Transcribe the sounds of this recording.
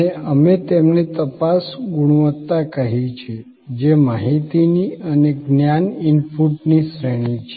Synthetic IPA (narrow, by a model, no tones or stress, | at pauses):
eəmet̪emnet̪əpasɡuɽ̃uʋət̪ːakəɦit͡ʃʰe | d͡ʒemaɦit̪iniəneɡnjanɪnpuʈnisɾeɽ̃it͡ʃʰe